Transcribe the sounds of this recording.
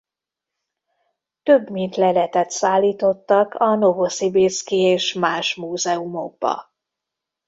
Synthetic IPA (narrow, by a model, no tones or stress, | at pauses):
t̪øbmint̪lɛlɛt̪ɛt̪saːlːiːt̪o̞t̪ːɒkɒnovosibeskieːʃmaːʃmuːzɛumo̞̰ɡ̚bɒ̰